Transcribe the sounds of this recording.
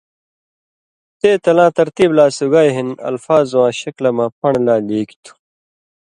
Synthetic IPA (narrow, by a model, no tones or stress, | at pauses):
t̪eːt̪ɐlãːt̪ɐɾt̪iːblaːsuɡaːjɦinɐ̰lfaːzwãːɕɐklɐmãːpɐɳlaːleːki̥t̪ʰu̥